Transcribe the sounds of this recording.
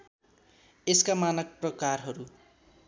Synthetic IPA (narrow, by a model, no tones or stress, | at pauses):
eskamanʌk̚prʌkarɦʌɾu